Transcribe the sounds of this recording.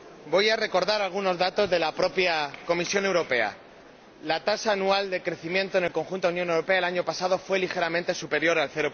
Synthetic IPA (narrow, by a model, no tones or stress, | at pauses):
bo̞jare̞ko̞ɾðaɾalɣ̞uno̞zðat̪o̞zðe̞lapɾo̞pjako̞misjo̞ne̞wɾo̞pe̞a̰ | lat̪asaːnuald̪e̞kɾe̞θimjẽ̞nt̪o̞nelko̞ŋxunt̪ounjonewɾo̞pe̞aelaɲo̞pasað̞o̞fwe̞lixe̞ɾamẽnt̪e̞supe̞ɾjo̞ɾalθe̞ɾo